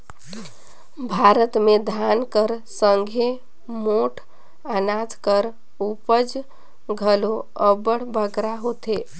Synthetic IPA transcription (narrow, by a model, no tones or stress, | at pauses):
bʱaɾət̪med̪ʱankəɾsəŋɡʱe | moʈʰ | anat̪kəɾ | upəd͡ʒ | ɡʱəlo | əbəɽ̤bʱəɡɾaɦot̪e